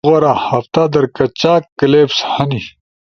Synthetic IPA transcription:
ɣɐɾahɐft̪ad̪ɐɾkɐt͡ɕaːkːɐleːpshɐni

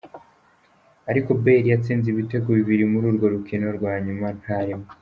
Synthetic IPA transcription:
aɾiko̞be̞ɾijat͡siːnziβite̞ɡuβiβiɾimuɾuːɾɡo̞ɾukino̞ɾɡwaːɲuman̥haɾimo

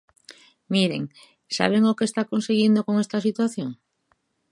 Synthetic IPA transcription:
miɾeŋ | sa̰β̞eŋokest̪akonseɣind̪okoŋest̪asit̪waθjoŋ

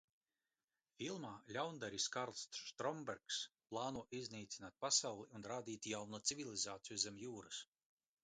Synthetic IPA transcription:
fʲilˠmaːlʲawnd̪aɾʲiskaɾlˠsʃt̪ɾɔmbɛɾksplˠaːnuɔʔiznʲiːt̪sinaːt̪̚pasawlˠiunɾaːd̪ʲiːt̪jawnut̪sivʲilʲˠizaːt̪sijuzɛmʲjuːɾɨs

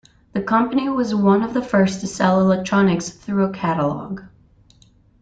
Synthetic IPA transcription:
ðɨkʰʌ̃mpɨniwʌzwʌ̃nʌvðəfɜ˞stʰɨsɛlˠəlɛk̚tʰɹ̥ɑnɨksθɹʉəkʰæɾəlɔ̰ɡ̥

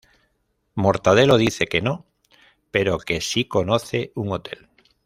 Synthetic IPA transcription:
mo̞ɾt̪að̞e̞lo̞ð̞iθe̞ke̞no̞ | pe̞ɾo̞ke̞siko̞noθe̞uŋo̞t̪e̞̰l

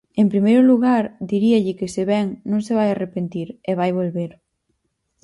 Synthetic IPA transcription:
ẽmpɾimejɾʊluɣaɾd̪iɾiaʎɪkɪseβɛŋnõŋseβajarepent̪iɾeβajβolβeɾ

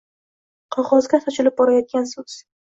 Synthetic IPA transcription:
qʰɒʁɒzɡʲat̪ʰɒt͡ʃʰɪlɪp̚bɒɾajɒt̪̚ɡʲansɵz̥

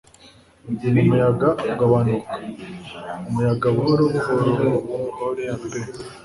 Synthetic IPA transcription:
numujaɡauɡaβanukḁ | umujaɡaβuoɾoβuhoɾo | mbe

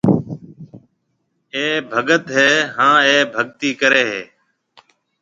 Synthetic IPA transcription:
eːbʱəɠət̪ɦeːɦãːeːbʱəɠt̪iːkəɾeːɦeː

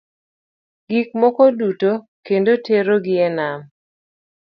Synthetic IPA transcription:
ɡik̚mɔkɔduto | kendoteɾoɡɪɛnam

